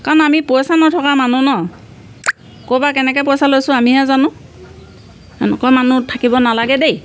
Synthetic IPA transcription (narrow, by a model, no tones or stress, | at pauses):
kanamiposanɔtʰɔkamanunɔ | kobakɛnɛkɛp̬osalojsʊamiɦazanʊ̃ | ɛnɛ̰kɔmanutʰakibɔnalaɡɛdej